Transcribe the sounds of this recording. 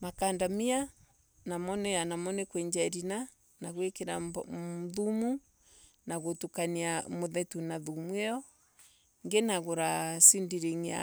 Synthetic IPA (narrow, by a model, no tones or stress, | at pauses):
makandamia | namɔnɛjanamɔnɛkwɛɲd͡ʒaɾina | naɣwekeɾa | ðumu | naɣotukaniamoðɛtunaðumwɛɔ | ŋɡenaɣoɾasindiɾeŋia̰